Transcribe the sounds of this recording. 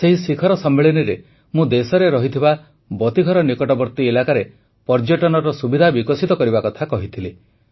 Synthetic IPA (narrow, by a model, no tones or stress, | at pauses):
seɦisikʰɔɾɔsɔmːeɭiniɾe | mũd̪esɔɾeɾɔɦit̪ʰiba | bɔt̪iɡʱɔɾɔnikɔʈɔbɔɾt̪ielakaɾe | pɔɾd͡ʒɔʈɔnɔɾɔsubid̪ʱabikɔsit̪ɔkɔɾibakɔt̪ʰakɔɦit̪ʰile